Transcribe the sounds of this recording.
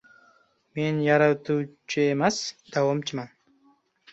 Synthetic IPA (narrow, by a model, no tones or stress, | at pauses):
menjɑɾat̪uwt͡ʃʰɨemasd̪̥awamt͡ʃʰɨman